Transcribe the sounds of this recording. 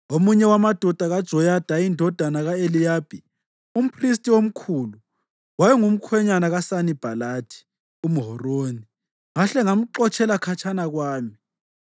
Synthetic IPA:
omuɲɛwamad̥ʱɔd̥ʱaɣad̥ʒ̥ʱɔjad̥ʱaindʱɔd̥ʱanaɣaelijaːb̥ʱi | um̩pʰris̬tʼiom̩kʰuːlu | wajɛŋum̩kʰwɛɲanaɣasanib̥ʱalaːtʰi̥ | umuɦɔroːni | ŋaɬɛŋam̩ǃɔt͡ʃʼʰɛlakʰat͡ʃʰʼanaɣwaːmi

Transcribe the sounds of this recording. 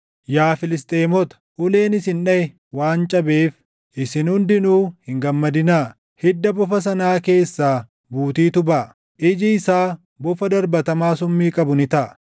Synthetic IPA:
jaːfɪlɪst̪ʼe̞ːmɔt̪ɐ̥hʊle̞ːnɪsɪnᶑɐɛ | waːnt͡ʃʼɐbe̞ːf | ʔɪsɪnhʊnd̪ɪnuːhɪŋɡɐmːɐd̪ɪnaː | hɪd̪ːɐbɔfɐs̬ɐnaːke̞ːsːaː | buːt̪iːt̪ʊbɐʔ | ʔɪd͡ʒɪɪsaː | bɔfɐd̪ɐɾbɐt̪ɐmaːsʊmːiːkʼɐbʊnɪt̪ɐʔ

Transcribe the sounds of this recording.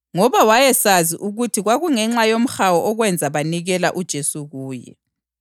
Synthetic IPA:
ŋɔβawajɛsaziʔuɣutʰiɣwaɣuŋɛŋ͡ǁajom̩xawɔʔɔɣwɛnd͡zʱaβaniɣɛlaʔud̥ʒ̥ʱesuɣuːjɛ̰

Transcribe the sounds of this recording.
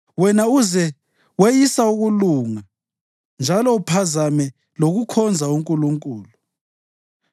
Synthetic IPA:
wɛnauzɛ | wejisauɣuluŋa | nd͡ʒʱalɔupʰazamɛ | loɣukʰɔnd͡zʱauŋkʼuluŋkʼuːlu

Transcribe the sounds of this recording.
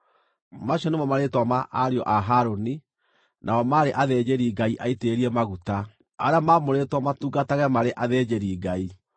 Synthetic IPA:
maɕɔnemɔmaɾetwamaʔaɾeɔʔaɦaɾoni | nʔaɔmaɾeʔaðed͡ʑeɾiːɡaiʔaiteːɾiɛmaɣuta | aɾeamamoɾetwamatuːɡataɣɛmaɾeʔaðed͡ʑeɾiːɡai

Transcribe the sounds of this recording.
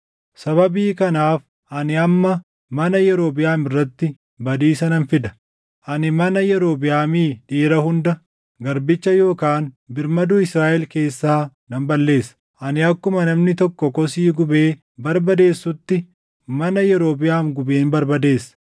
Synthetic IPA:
sɐβɐbiːkɐnaːf | ʔɐnɪɐmːɐ | mɐnɐjɛɾo̞ːbɪjaːmɪrːɐt̪ːɪ | bɐd̪iːsɐnɐnfɪd̪ɐ̥ | ʔɐnɪmɐnɐjɛɾo̞ːbɪjaːmiːᶑiːɾɐhʊnd̪ɐ | ɡɐɾbɪt͡ʃːɐjo̞ːkaːn | bɪɾmɐd̪uːɪsɾaːʔɛlke̞ːsːaːnɐmbɐlːe̞ːsɐ | ʔɐnɪɐkːʊmɐnɐmnɪt̪ɔkːɔkɔsiːɡʊbe̞ː | bɐɾbɐd̪e̞ːsːʊt̪ːɪ | mɐnɐjɛɾo̞ːbɪjaːmɡʊbe̞ːnbɐɾbɐd̪e̞ːsːɐ̥

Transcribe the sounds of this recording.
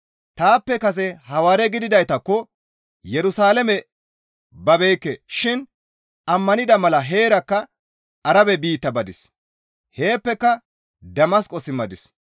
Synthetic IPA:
t̪aːpːɛkɐs̬ɛhɐwaːɾɛɡɪd̪ɪd̪ɐjt̪ɐkːɔ | jɛɾʊsaːlɐmɛ | bɐbejkːɛʃɪn | ɐmːɐnɪd̪ɐmɐlɐɦe̞ːɾɐkːɐ | ɐɾɐbɛbiːt̪ːɐbɐd̪ɪs | he̞ːpːɛkːɐ | d̪ɐmɐskʼɔsɪmːɐd̪ɪs

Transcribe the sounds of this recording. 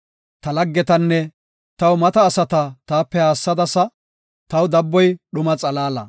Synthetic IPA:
t̪ɐlɐɡːɛt̪ɐnːɛ | t̪ɐwmɐt̪ɐːsɐt̪ɐt̪aːpːɛhaːsːɐd̪ɐsɐ | t̪ɐwd̪ɐbːɔjɗʊmɐt͡sʼɐlaːlɐ̰

